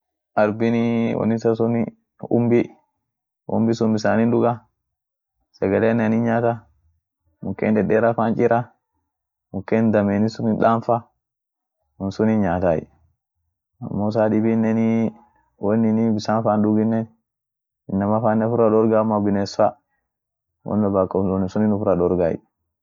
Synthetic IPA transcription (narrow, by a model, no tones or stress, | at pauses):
ʔaɾbiniwɔ̰nːisasɔni | ṵmbi | ʔṵmbisumbisaninɗuɡa | sɛɡalɛnianiɲat̪a | mukːɛ̰ndɛɗɛɾafant͡ʃʼiɾʔa | mukːɛnd̪amenisuniɗanfa | wunsuniɲat̪aḭ | a̰mːɔs̬aɗibinːɛni | wonːinibisanfanɗuɡinːɛn | inːamafanɛfuɾaɗɔɾɡamabinɛsfa | wɔ̰ndabakːɔsɔnisuninufuɾaɗɔɾɡa̰jḭ